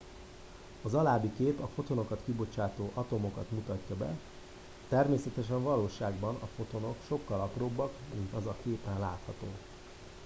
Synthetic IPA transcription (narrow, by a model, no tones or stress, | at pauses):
ɒzɒlaːbikeːpɒfo̞t̪o̞no̞kɒt̪kibo̞t͡ʃaːt̪oːʔɒt̪o̞mo̞kɒt̪mut̪ɒcːɒbɛ̰ | t̪ɛrmeːsɛt̪ɛʃɛɱvɒloːʃaːɡbɒnɒfo̞t̪o̞no̞kʃo̞kːɒlɒproːbːɒkmint̪ɒzɒkeːpɛnlaːt̪hɒt̪oː